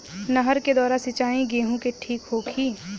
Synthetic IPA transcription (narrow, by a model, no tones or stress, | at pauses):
nəɦəɾked̪ɔːɾasɪt͡ʃaːĩɡeːɦũkeʈʰiːkɦoːkʰiː